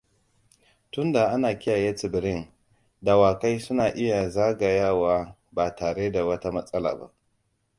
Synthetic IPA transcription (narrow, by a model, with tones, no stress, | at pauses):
tʊ˦nda˨ʔa˦naː˨kʲɪ˦ja˨jeː˦t͡sɪ˨bɪ˨ɾɪ˦n | da˨waː˨ka˦jsʊ˦naː˨ʔɪ˦ja˨zaː˦ɡa˨jaː˦˨waː˦ | baː˨taː˨ɽeː˦da˨wɐ˦ta˦mɐ˦sʼɐ˦la̰ː˨ba̰˦ʔ